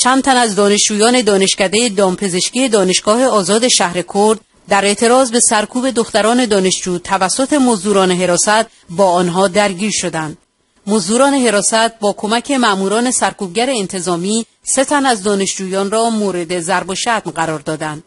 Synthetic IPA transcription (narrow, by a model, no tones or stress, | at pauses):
t͡ʃʰænd̪t̪ʰænæzd̪ɒːne̞ʃd͡ʒuːjɒːne̞d̪ɒːne̞ʃcæd̪e̞jed̪ɒːmpʰe̞ze̞ʃkije̞d̪ɒːne̞ʃɡ̥ɒːhe̞ɒːzɒːd̪e̞ʃæhɾe̞kʰoɾd̪ | d̪æɾe̞ʔt̪ʰe̞ɾɒːzbe̞sæɾkʰuːbe̞d̪oxt̪æɾɒːne̞d̪ɒːne̞ʃd͡ʒuːt̪ʰævæsːot̪ʰe̞mozd̪uːɾɒːneɦe̞ɾɒːsæt̪̚ | bɒːɒːnɦɒːd̪æɾɟiːɾʃo̞d̪ænd̪ | mozd̪uːɾɒːne̞ɦe̞ɾɒːsæt̪̚bɒːkʰo̞mæcʰe̞mæʔmuːɾɒːne̞sæɾkʰuːbɟæɾeːnt̪ʰe̞zɒːmiː | se̞t̪ʰænæzd̪ɒːne̞ʃd͡ʒuːjɒːnrɒːmoːɾe̞d̪e̞zæɾbo̞ʃæt̪mɢæɾɒːɾd̪ɒːd̪ænd̪̥̚